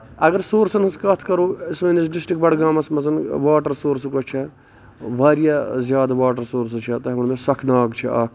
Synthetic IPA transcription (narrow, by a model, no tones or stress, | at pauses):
ɐɡəɾsoːɾsɐnɐskɐt̪ʰkɐɾoːismɐnisɖisʈik̚bɐɽɡaːmɐsmɐzɐnʋaːʈəɾsoːɾsukot͡ʃʰɛ | ʋaːɾjazʲjaːd̪aʋaːʈɐɾsoːɾsɐt͡ʃʰɛt̪ɐɦɐmɐnmesɐkʰnaːɡt͡ʃʰiaːkʰ